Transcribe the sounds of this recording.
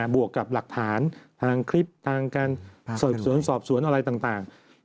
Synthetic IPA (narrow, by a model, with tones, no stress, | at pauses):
bu˨˩əkːa˨˩p̚la˨˩k̚t̪ʰaː˩˦nt̪ʰaː˧ŋkʰɾi˦˥˩p̚t̪ʰaː˧ŋkaː˧nsɔː˨˩p̚su˨˩˦ənsɔː˨˩p̚su˩˦ənʔa˧ɾa˧jt̪aː˨˩ŋt̪aː˨˩ŋ